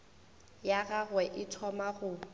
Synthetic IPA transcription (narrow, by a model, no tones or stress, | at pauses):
jaɣaɣwɛʔɪtʰɔmaɣʊ